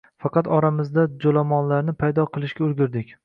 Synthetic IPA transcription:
fɑqɑt̪ɒɾamɪzd̪ad͡ʒolamɒnlaɾnɪpʰajd̪ɒqʰɨlˠɪʃkʲaʊɾɡʲʊɾd̪ɪkʲ

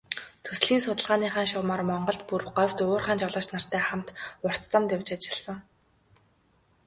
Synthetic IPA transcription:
t̪ʰɵsɮiːnsʊt̪ə̆ɮʁaːniːχaːnʃʊwmarmɔɴɢɞ̆ɮt̪purwɢœwʲt̪ʊːrχaːnt͡ɕɔɮɔːt͡ɕt̪nar̥t̪æːχamt̪ʊr̥t̪t͡sămt̪ewʲt͡ɕat͡ɕɪ̥̆ɮsə̆ŋ

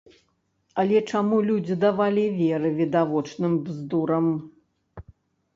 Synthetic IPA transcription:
ɐlʲɛt͡ʂamulʲud͡zʲid̪avalʲivʲɛɾɨvʲid̪avɔt͡ʂnɨmbzd̪uɾɐm

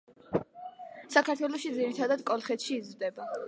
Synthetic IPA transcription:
sakʰaɾt̪ʰwɛlˠɔʃid̪ziɾit̪ʰad̪ad̪kʼɔlˠχɛt̪ʃiːzɾd̪ɛba

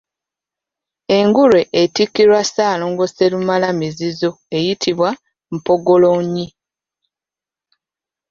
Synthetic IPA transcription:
e̞ŋɡuɾeʔetikːiɾwasaːloːŋɡo̞selumalamizizo̞ | e̞jitʰiβwa | m̩po̞ɡo̞loɲːi

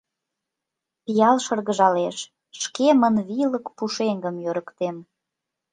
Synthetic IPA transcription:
pijɑlʃɤrɣəʒɑleʃ | ʃkemənβiləkpuʃeŋɡəmjøɾəkt̪em

